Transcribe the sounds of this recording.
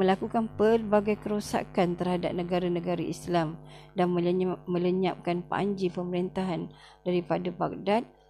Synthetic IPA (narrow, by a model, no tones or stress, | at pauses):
mə̃lakukanpərbaɡajkəɾosa̰kant̪ərhada̰p̚nə̃ɡaɾanə̃ɡaɾaʔislamdanmə̃ləɲa̰p̚kanpa̰ɲd͡ʒipəməɾint̪aɦan | daɾipadaba̰k̚dat̪̚